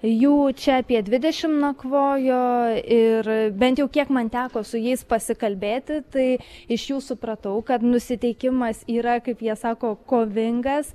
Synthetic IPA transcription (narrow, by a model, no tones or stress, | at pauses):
juːt͡ʃʲɛɐpʲiɛd̪ʲʋʲɪd̪ʲɛʃʲɪmnɐkʋoːjoːɪrbʲɛnt̪jɛʊkʲiɛkmɐnt̪ʲæːkoːsʊjɛɪspɐsʲɪkɐlʲbʲeːt̪ʲɪt̪ɐɪɪʃjuːsʊpɾɐt̪ɐʊkɐt̪nʊsʲɪt̪ʲɛɪkʲɪmɐsiːɾɐkɐɪpjiɛsɑːkoːkoːʋʲɪŋɡɐs